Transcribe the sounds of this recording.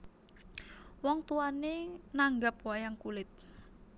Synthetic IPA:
wɔŋt̪uanenaŋɡap̚wajaŋkulɪt̪̚

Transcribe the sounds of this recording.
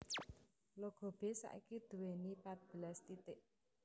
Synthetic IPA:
loɡ̥o̤b̥e̤sa̰ʔḭkid̪̥ṳwenipat̪̚b̥ə̤lɛst̪it̪ɪʔ

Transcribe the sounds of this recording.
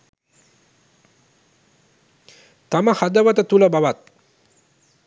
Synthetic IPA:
t̪aməhad̪əʋət̪ət̪uləbaʋat̪̚

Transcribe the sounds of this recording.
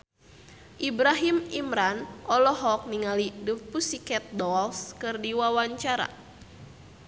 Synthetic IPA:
ʔibɾaɦimimɾanʔɔlɔɦɔk̚niŋalidəpusikɛt̪̚dɔlskɨrdiwawaɲt͡ʃaɾa̰

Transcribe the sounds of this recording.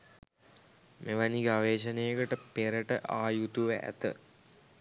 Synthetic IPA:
meʋaniɡəaʋeːʃɐnejəkəʈəpeɾəʈəʔaːjut̪uʋəʔæ̰t̪ə̰

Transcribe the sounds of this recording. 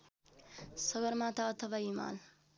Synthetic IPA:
sʌɡʌɾmat̪aʌt̪ʰʌbaima̰l

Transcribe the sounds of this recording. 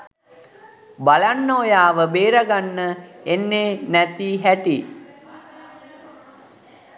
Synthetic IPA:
balanːoːjaːʋəbeːɾaɡanːəenːeːnæt̪iːɦæʈi

